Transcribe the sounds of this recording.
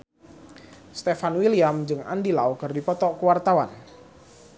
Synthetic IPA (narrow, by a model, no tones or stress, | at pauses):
st̪efanwiliamd͡ʒɨŋa̰ndilaokɨrdipɔt̪ɔkuwart̪awan